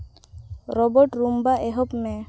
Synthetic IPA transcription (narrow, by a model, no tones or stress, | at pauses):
ɾɔbɔʈɾumbaʔɛɦɔpmɛ